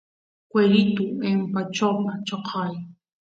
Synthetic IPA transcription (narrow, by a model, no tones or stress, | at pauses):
kʷeɾɪt̪ʊempat͡ʃawpat͡ʃoqʰɑj